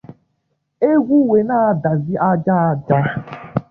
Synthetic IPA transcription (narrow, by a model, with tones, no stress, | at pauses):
e˦ɡʷu˦we˨na˦a˦da˨zi˦ʔa˦d͡ʒa˦a˦d͡ʒa˦